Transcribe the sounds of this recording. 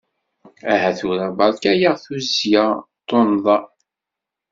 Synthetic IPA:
æhæθuɾæbɑɾˤkæjaʁθuzjat̪ˤːonðˤɑ

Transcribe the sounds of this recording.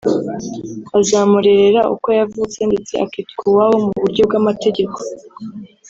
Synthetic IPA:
azamuɾe̞ɾe̞ɾaʔṵkojavut͡se̞nde̞t͡se̞ʔa̰kitkuwawo̞muβuɾɟo̞bɡamate̞ɟe̞kʰo̞

